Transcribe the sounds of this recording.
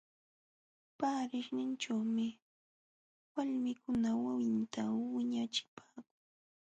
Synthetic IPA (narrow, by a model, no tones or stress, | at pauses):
paːɾɪχnɪnt͡ʃawmɪ | waʎmɪkʊnawawɪnt̪awɪɲat͡ʃɪ̥pʰaːkʊŋ